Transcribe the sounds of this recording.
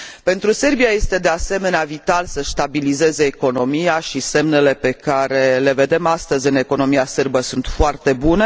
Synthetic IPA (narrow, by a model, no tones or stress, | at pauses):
pe̞nt̪ɾuse̞rbijaje̞st̪e̞d̪e̞ase̞me̞neavit̪alsəʃt̪abilize̞ze̞ːko̞no̞miaʃise̞mne̞le̞pe̞kaɾe̞le̞ve̞d̪e̞mast̪əzʲɨne̞ko̞no̞miasɨrbəsunt̪foart̪e̞bune̞